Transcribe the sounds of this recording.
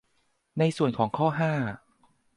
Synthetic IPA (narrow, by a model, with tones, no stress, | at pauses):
na˧jsu˨˩ənkʰɔː˩˦ŋkʰɔː˥˩ɦaː˥˩